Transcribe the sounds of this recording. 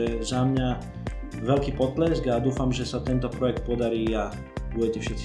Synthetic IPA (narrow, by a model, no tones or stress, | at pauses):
ɛzamɲa | ʋɛlkiːpɔt̪lɛsɡad̪uːfamʒɛsat̪ɛnt̪ɔpɾɔjɛk̚t̪̚pɔd̪aɾiːa | buɟɛcɛfʃɛt̪t͡si